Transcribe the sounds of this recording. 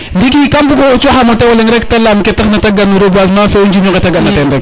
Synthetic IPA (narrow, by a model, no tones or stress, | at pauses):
ndik̬ikambuɡoot͡ʃoxamatawaleŋɾektalamketaxnataɡanuɾobas̬mafend͡ʒinoketaɡanːatendak